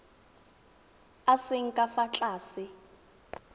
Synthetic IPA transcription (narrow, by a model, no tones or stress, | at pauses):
asɪŋ̩kʼafat͡ɬʼaːsɪ